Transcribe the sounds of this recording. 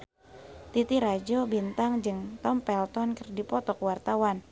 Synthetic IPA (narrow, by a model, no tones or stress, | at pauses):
t̪it̪iɾad͡ʒobint̪aŋd͡ʒɨŋt̪ɔmpɛlt̪ɔnkərdipɔt̪ɔkwart̪awan